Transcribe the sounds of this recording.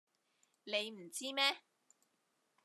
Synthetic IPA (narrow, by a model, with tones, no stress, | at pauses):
ne˨˧jm̩˨˩t͡siː˥mɛː˥